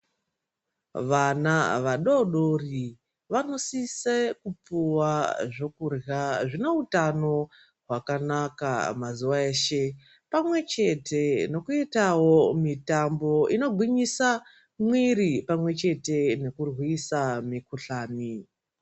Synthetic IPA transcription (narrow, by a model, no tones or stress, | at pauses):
ʋanaʋaɗoɗori | ʋano̞sisekupuwaʐo̞kurjaʐineutano̞ | ɦwakanaka̰mazuʋaeːʃe̞ | pamwe̞t͡ʃe̞te̞no̞kuitawo̞mitambo̞ino̞ɡʱwiɲisa | mwiɾipamwe̞t͡ʃe̞te̞ne̞kurwisamikuɬaːni